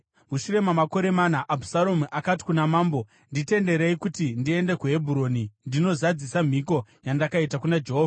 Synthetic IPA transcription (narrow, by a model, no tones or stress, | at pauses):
muʃuɾe̞mamako̞ɾe̞manaʔabʱu̥salomuʔakati̥kunamaːmbo̞ | ndite̞nde̞ɾeikutindie̞nde̞kuɦe̞bʱuɾo̞ːnindino̞zad͡zisam̤iko̞jandakaitakunad͡ʒe̞ɦoːva